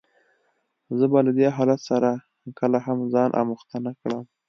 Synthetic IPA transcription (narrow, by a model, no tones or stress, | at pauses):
zəbalad̪eɦɑlat̪saɾa | kəlaɦamzɑnʔa̰muxt̪anakɽəm